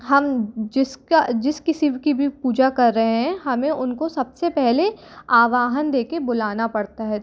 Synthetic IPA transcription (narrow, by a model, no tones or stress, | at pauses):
ɦɐmd͡ʒɪskad͡ʒɪskɪsikibʱipuːd͡ʒakɐɾːɐɦeɦɛ̃ɦɐmẽʔʊnkosɐbsepɛɦleaːʋaːɦənd̪eːkebʊlaːnapɐɽt̪aɦɛː